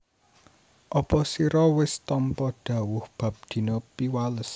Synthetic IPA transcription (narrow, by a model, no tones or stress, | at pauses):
ʔɔpɔsiɾɔwɪst̪ɔmpɔd̥ä̤wʊhb̥a̤p̚d̪̥i̤nɔpiwaləs